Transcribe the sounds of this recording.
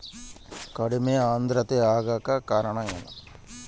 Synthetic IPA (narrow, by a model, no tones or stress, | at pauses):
kɐɽumeaːnd̪ɾɐt̪eaːɣaːkːɐkaːɾɐɳɐmenɐ̰